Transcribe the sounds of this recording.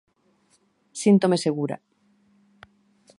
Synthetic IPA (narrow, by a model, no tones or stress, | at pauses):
sint̪omeseɣ̞uɾa̰